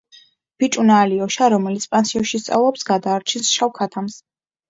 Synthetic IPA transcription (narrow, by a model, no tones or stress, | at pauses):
b̥it͡ʃʼunaːliɔʃaɾɔmɛlit̪sʰpʼansiɔʃist̪sʼa̰vlˠɔpsɡad̪aːɾt͡ʃʰinsʃawkʰat̪ʰams